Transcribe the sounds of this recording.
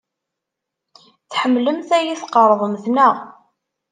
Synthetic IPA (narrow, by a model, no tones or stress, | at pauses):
θħəmːləmθæjiθqəɾˤðˤəmθnæʁ